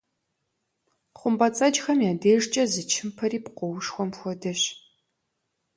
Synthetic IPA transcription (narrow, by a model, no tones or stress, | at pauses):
χʷʊmbɐt͡sʼɐd͡ʒxɐmjaːdeːʒt͡ʃʼɐzɨt͡ʃʰɪmpʰɐɾiːpqʷɔwʂxʷɔmxʷɔdɐɕ